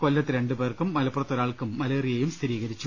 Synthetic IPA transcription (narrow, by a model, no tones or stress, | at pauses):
kolːɐt̪ːɨɾeɳɖupe̞ːrkumːɐlɐpurɐt̪ːoɾaːɭkumːɐleːrijejumst̪ʰiɾiːɣɐɾit͡ɕːu